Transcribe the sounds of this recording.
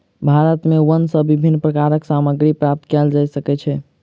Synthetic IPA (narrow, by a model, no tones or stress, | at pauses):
bʱaɾət̪mewənsəbibʱinːpɾəkaɾəksaməɡɾipɾap̚t̪kɛld͡ʒajsəkɛt͡ʃʰɛ